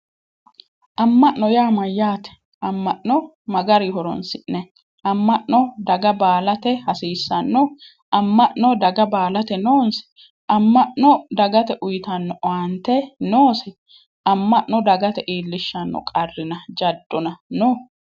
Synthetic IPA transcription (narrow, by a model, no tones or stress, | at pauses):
ʔɐmːɐʔnːɔjaːmɐjːaːt̪ɛ̥ | ʔɐmːɐʔnɔ | mɐɡɐɾɪhɔɾɔ̰nsɪʔnɛ | ʔɐmːɐʔnɔd̪ɐɡɐbaːlɐt̪ɛhɐsiːsːɐnːɔ | ʔɐmːɐʔnɔd̪ɐɡɐbaːlɐt̪ɛnoːnsɛ̥ | ʔɐmːɐʔnɔd̪ɐɡɐt̪ɛʔʊjt̪ɐnːɔʔant̪ɛnoːsɛ | ɐmːɐʔnɔd̪ɐɡɐt̪ɛʔiːlːɪʃːɐnːɔ̰kʼɐrːɪnɐd͡ʒɐd̪ːɔnɐnoː